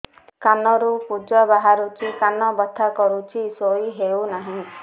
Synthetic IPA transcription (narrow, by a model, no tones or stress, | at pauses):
kanɔɾupud͡ʒɔbaɦaɾut͡ʃʰikanɔbɔt̪ʰːakɔɾut͡ʃʰisoiɦewnaɦĩ